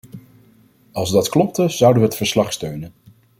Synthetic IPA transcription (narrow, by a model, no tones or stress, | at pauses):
ɑlˠzdɑtklɔp̚təz̥ʌwdənʋəɦətfəɹslɑχstøɥnən